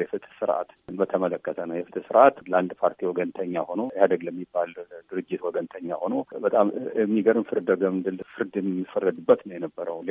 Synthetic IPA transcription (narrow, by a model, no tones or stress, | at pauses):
jɛfɨt̪ʰsɨɾʔa̰t̪nbət̪ʰəmələkːət̪ʰənəwjɛfɨt̪ʰɨsɨɾat̪land̪pʰaɾt̪ʰiwɔɡənt̪ʰəɲːaho̞no̞jɛhad̪əɡləmːibːald̪ɨɾɨd͡ʒːɪt̪wɔɡənt̪ʰəɲːaho̞no̞bət̪ʼamɛmːiɡəɾɨnfɨɾd̪əɡəmɨnd̪ɨlfɨɾd̪ɛmɛmːifərːəd̪ɨbːət̪nəwjɛnəbːəɾəwle